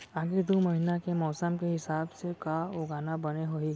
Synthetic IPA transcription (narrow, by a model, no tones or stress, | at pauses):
aːɡɪɾd̪oːmɐɦɪnakemɔːsəmkeɦɪsaːbsekaoːɡaːnabɐneɦoi